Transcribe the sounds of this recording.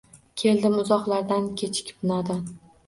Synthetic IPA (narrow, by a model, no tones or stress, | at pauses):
kʲʰe̞ld̪ɪmʊzɒqlˠaɾd̪ankʲʰe̞t͡ʃʰɪ̥kʲbnɒd̪an